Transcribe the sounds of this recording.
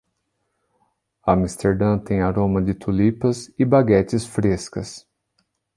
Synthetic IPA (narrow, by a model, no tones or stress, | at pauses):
ɐmist̪eɾd̪ɐ̃t̪ẽj̃aɾõmɐd͡ʒɪt̪ʰulipɐsɪbaɡɛt͡ʃɪsfɾeskɐs